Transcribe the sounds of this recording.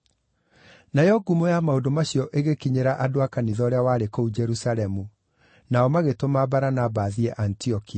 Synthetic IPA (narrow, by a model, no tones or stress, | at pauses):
najɔɡumojamaodomaɕjɔʔeɣekiɲeɾaʔadoakaniðɔɾeawaːɾekoud͡ʒɛɾusalɛmu | naɔmaɣetomabaɾanabaðiɛʔantiɔkia